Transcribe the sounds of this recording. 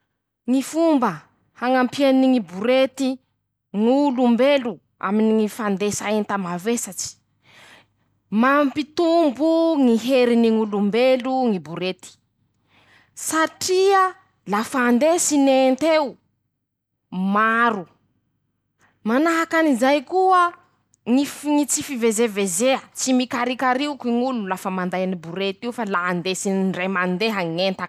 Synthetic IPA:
ŋifumbə | haŋampianiŋibuɾet̪i | ŋulumbelu | a̰miniŋifand̪esaent̪amavesat͡ʃi̥ | mampit̪umbuŋiɦeɾiniŋulumbeluŋibuɾet̪i̥ | saʈ͡ʂiə | lafand̪esinent̪eu | maɾu | manaɦakanizajkuə | ŋifŋit͡sifivezevezeət͡simikaɾikaɾiukiŋululafəmand̪ajanibuɾet̪iufalaand̪esinɳɖ͡ʐemand̪eɦaŋent̪a

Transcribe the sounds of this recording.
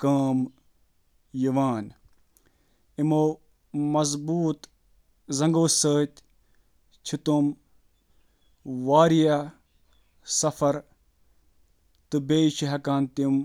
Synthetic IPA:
kaːm | jiʋaːn | imoː | mɐzbuːt̪ | zɐ̃ŋɡoːsəːt̪ʲ | t͡ʃʰit̪um | ʋaːɾija | sɐfɐɾ | t̪ɨbeːt͡ʃʰiɦɐkaːnt̪im

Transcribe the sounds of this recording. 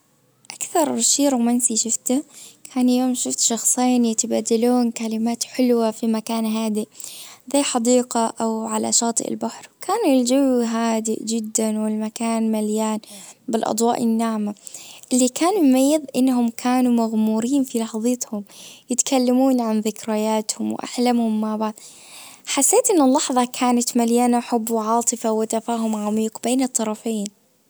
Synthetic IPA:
ʔakθɑɾˤʃiːɾwmansiʃʊft̪akʰaːnjoːmʃʊft̪ʃɑxsˤiːnjɪt̪abaːd̪aluːnkalɪmaːt̪ħɪlwafimakaːnɦaːd̪ɪʔzajħɑd̪iːqaʔawʕala̰ʃɑːt̪ˤɨ̰ʔɪ̰lbaħɾwkʰaːnɪld͡ʒawɦaːd̪ɪ̰ʔd͡ʒɪd̪ːanwɪlmakaːnmaljaːnbɪlʔɑ̰d̪ˤwɑ̰ːʔɪnːaʕmaʔɪlːikaːnmajːɪðʔɪnːhʊmkʰaːnumaɣmuːɾiːnfilɑħðˤɨt̪hʊmjɪt̪kʰalːamuːnʕanðɪkɾajaːt̪hʊmwʔa̰ħlamhʊmːaʕbaʕd̪ | ħasːeːt̪ʔɪnːɪlːɑħðˤɑkʰaːnat̪maljaːnaħʊbːwʕɑːt̪ˤɨfawɪt̪afaːɦʊmʕamiːqbeːnɨt̪ˤːɑɾˤɑfeːn

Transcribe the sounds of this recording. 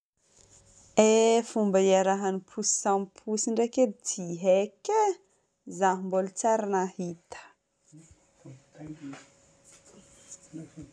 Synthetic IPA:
efumbəiaɾaɦanipʰusi̥sampʰusiɳɖ͡ʐeket͡sʰiɦeke | zaɦmbolut͡saɾanahit̪ə̥

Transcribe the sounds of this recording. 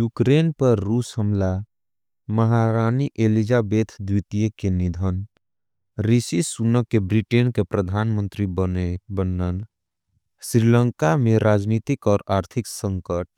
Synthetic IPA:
juːkɾeːnpəɾːuːsɦəmla | məɦaɾaːniʔelid͡ʒabeːt̪ʰd̪wit̪ijekenɪd̪ʱən | ɾisisunəkːebɾiʈeːnkepɾəd̪ʱaːnmə̃nt̪ɾibənən | sɾilə̃ŋkamẽɾaːd͡ʒnit̪ɪkɔːɾaːɾt̪ʰɪksə̃ŋkəʈ

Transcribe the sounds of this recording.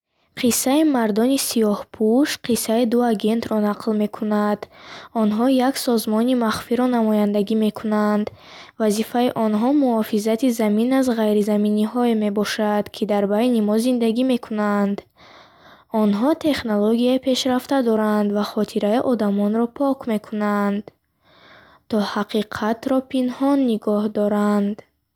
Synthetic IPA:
qʰisːaimaɾd̪ɔnisijɔhpʰuʃqʰisːaid̪uaɡe̞nt̪ɾɔnaqlme̞kʰunad̪̥ɔnɦɔjaksɔzmɔnimaχfiɾɔnamɔjand̪aɡime̞kʰunand̪ | vazifaiʔɔnɦɔmuɔfizat̪ʰizaminazʁajɾizaminiɦɔeme̞bɔʃad̪̥kʰid̪aɾbajnimɔzind̪aɡime̞kʰunand̪ | ɔnɦɔt̪ʰe̞χnoloɡiaipʰe̞ʃɾaft̪ad̪ɔɾand̪vaχɔt̪ʰiɾaiʔɔd̪amɔnɾɔpʰɔkʰme̞kʰunand̪ | t̪ʰɔhaqʰiqʰat̪ɾɔpʰinhɔnːiɡɔhd̪ɔɾand̪

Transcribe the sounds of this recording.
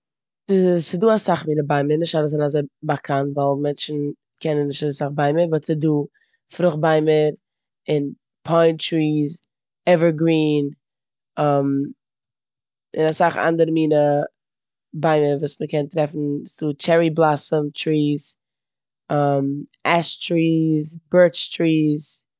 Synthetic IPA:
sɪsɪduːasaχmiːnəbaɪməɾnɪʃtaɾəszanazeɪbakʰantvaɪlˠmɛnt͡ʃn̩ | kʰɛnənːɪʃtasaχbaɪməɾvɔsɪduː | fɾʊχbaɪməɾ | ɪn | pʰaɪnt͡ʃɹiːz | ɛvə˞ɡɾiːn | am | ɪnasaχa̰ndəɾəmiːnə | baɪməɾvuːsməkɛntɾɛfn̩sut͡ʃɛɹiblˠasəmt͡ʃɾiːz | amɛstɹiːzbɜɹt͡ʃtɹiːz

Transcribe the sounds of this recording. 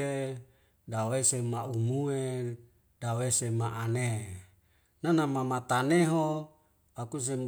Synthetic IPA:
e | dawesemaumue | dawesemaʔane | nanamamat̪aneɦo | akus̬em

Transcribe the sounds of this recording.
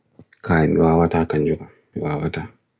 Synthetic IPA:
kaːjiniwaːwataːkaɲd͡ʒuʔa | iwaːwataː

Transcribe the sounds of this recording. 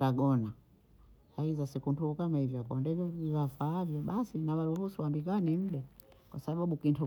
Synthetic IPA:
taɡɔna | aizasɛkuntuukamahivjɔakɔndɛvɔvivafaːvjɔɓasinawaluhusuwambik̬anim̩ɗa | kwasaɓaɓukintu

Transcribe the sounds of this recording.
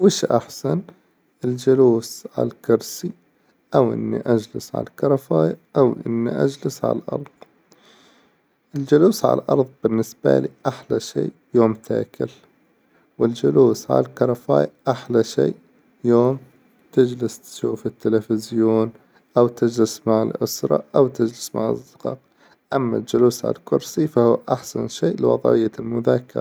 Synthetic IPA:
wɪʃʔa̰ħsan | ʔɪld͡ʒʊluːsʕa̰llkʊɾˤsi | ʔawʔɪ̰nːḭʔad͡ʒlɪsʕa̰lakɑɾˤɑfaːjaʔawʔɪ̰nːḭʔa̰d͡ʒlɪsʕa̰lʔɑ̰ɾˤð̥ˤ | ʔɪld͡ʒʊluːsʕa̰lʔɑ̰ɾˤðˤbɪnːɪsb̥a̰liːʔaħlaʃḭːʔjoːmt̪ʰa̰ːkʰɪl | wɪld͡ʒʊluːsʕa̰lalkɑɾˤɑfa̰ːjʔaħlaʃḛːʔ | joːm | t̪ɪd͡ʒlɪst̪ʃuːfɪt̪ːɪlafɪzjoːn | ʔawt̪ɪd͡ʒlɪsmaʕalʔʊsɾˤɑ̰ʔawt̪ɪd͡ʒlɪsmaʕa̰zːɪqɑ̰ːq | ʔamːa̰ld͡ʒʊluːsʕa̰lalkʊɾsifahʊːʔaħsa̰nʃeːʔlwɑ̰ðˤʕɪ̰jːalmʊðaːkːɪ̰ɾˤ

